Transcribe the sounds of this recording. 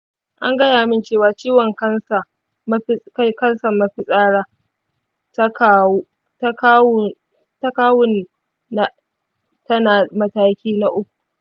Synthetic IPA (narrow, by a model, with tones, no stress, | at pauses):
ʔa˦ŋɡɐ˦jaː˨mɪ˦nt͡ʃeː˦˨waː˨t͡ʃiː˦wɔ˨ŋkɐ˦ns | m˦kɐ˦nsɐ˨mːa˦ɸɪ˦sʼaː˦ɽaː˦ | tkː | tkː | tɐ˦kaː˦wʊ˦nː˨ | a˨ | tɐ˦naː˨mɐ˦taː˦kʲiː˦na˦ʔʊ˦kʷu˨